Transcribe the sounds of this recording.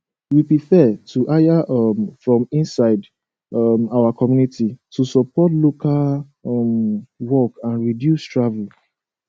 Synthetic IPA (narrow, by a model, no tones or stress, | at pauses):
wipɹifɛtuʔajaʔmfɹɔ̃mĩnsaɪd | mawakɔmjunititusɔpɔtlokal | mwɔkãnɹidjustɹavul